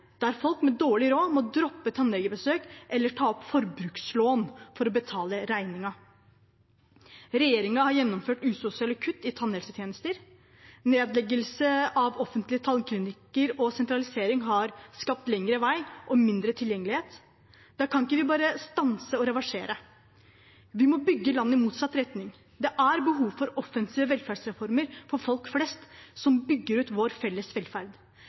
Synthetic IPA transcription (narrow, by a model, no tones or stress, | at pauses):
d̪̥ææɾfɔlkmɛd̪oːɭɪɾoːmɔd̪ɾɔpːət̪ʰɑnlɛɡəbəsøːkʔɛlːəʈʰɑːɔpfɔɾbɾʉːksloːnfɔɾɔbət̪ʰɑːləɾæɪnɪŋɑ | ɾɛjeːɾɪŋɑhɑɾjɛnːɔmføːʈʉːsʊsɪɑləkʰʉt̪ːɪt̪ʰɑnːɛlsət̪ʰjeːnəst̪əɾ | neːd̪lɛɡəlsəɑʋɔfənt̪lɪət̪ʰɑlkʰɾʉːnɪkəɾɔsɛnt̪ɾɑlɪseːɾɪŋɦɑɾskɑp̚t̪lɛŋːɾəʋæɪʔɔmɪnd̪ɾət̪ʰɪljɛŋːəlɪheːt̪ | d̪̥ɑːkʰɑnɪkːəʋɪbɑːɾəst̪ɑnsəɔɾɛʋɑʂeːɾə | ʋɪmɔbʏɡːəlɑnːəɪmuːt̪sɑt̪ːɾɛt̪nɪŋ | d̪ɛʔæɾbəɦuːʋfɔɾɔfɛnsiːʋəʋɛlfæɖsɾɛfɔɾməɾfɔɾfɔlkflɛst̪sɔmbʏɡːəɾʉːt̪ʋoɾfɛlːəsʋɛlfæɾd̪